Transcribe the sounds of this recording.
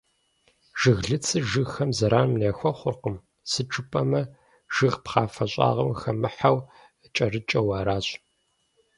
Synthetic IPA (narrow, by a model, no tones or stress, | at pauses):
ʒ̥ɨɣɮɨt͡sʰɨʒɨɣxɐmzɐɾaːnmneːxʷɔχʷʊrqəm | sɨʈ͡ʂʰʼɨpʼɐmɐ | ʒ̥ɨɣpχɑːfɐɕʼa̰ːʁɐmxɐmɨħaw | t͡ʃʼɐrɨt͡ʃʼɐwɑːɾaːɕʼ